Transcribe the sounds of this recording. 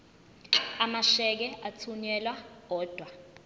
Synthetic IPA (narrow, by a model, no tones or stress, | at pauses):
amaʃɛk̬ɛat͡sʰuɲɛlwak̬ɔːd̥ʱwa